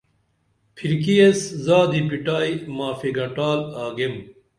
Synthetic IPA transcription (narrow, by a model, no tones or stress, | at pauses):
pʰiɾkijeszaːd̪ipiʈaːimaːfiɡɐʈaːlaːɡem